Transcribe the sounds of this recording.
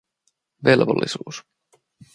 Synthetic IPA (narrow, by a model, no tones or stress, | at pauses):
ʋelʋolːisuːs